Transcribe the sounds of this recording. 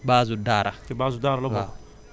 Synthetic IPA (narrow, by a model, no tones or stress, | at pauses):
baːzudaːɾakebaːzudaːɾalɔba